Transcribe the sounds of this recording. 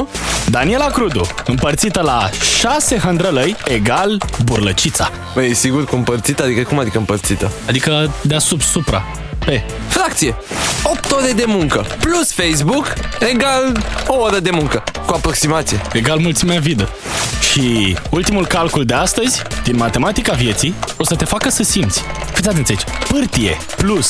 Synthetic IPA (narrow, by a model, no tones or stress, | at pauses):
d̪anie̞lakɾud̪ṵɨmpərt̪sit̪əlaʃase̞ɦənd̪ɾələjeɡalburlət͡ʃit̪sa | bəjesiɡurkuɨmpərt̪sit̪ad̪ikəkumad̪ikəɨmpərt̪sit̪əad̪ikəd̪easubsupɾa̰ | pe̞ | fɾakt̪sije | op̚t̪oɾe̞d̪e̞muŋkəplusfejsbuke̞ɡalo̞oɾəd̪e̞muŋkəkuapɾoksimat̪sijeeɡalmult̪simeavid̪e | ʃiult̪imulkalkuld̪east̪əzʲd̪̥inmat̪e̞mat̪ikavje̞t̪sio̞sət̪e̞fakəsəsimt̪sʲ | fit̪sʲat̪ent̪ʲjait͡ʃ | pɨrt̪ije̞̰ | plus